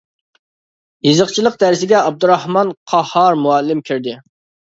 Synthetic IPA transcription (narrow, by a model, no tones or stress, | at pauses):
jizəqt͡ʃʰilˠəq̚d̪æɾsɪɡʲɛɑb̚d̪uɾɑhmɑnqʰɑhɑɾmuɛlːɪmkʲʰyɾd̪ɪ